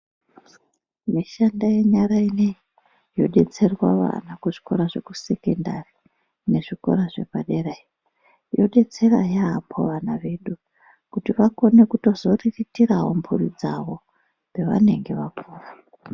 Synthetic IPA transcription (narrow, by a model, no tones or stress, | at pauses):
miʃandaje̞ɲaɾainei | jo̞ɗe̞t͡se̞rwaʋa̰nakuʐi̥ko̞ɾaʐe̞kuse̞kendari | ne̞ʐiko̞̰ɾaʐe̞paɗerai | jo̞ɗe̞t͡se̞ra̰jeɦampʰo̰ʋanaʋe̞ɗu | kutiʋako̞ne̞kuto̞zo̞riritiraɦompʰurid͡zaʋo̞ | be̞ʋa̰ne̞ŋɡe̞ʋapuːra